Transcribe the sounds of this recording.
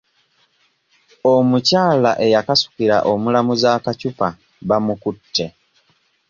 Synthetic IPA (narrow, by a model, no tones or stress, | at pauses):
omucaːlaʔe̞jakasu̥kiɾa̰ʔomulamuzaːkacupa | βamukutʰːe̞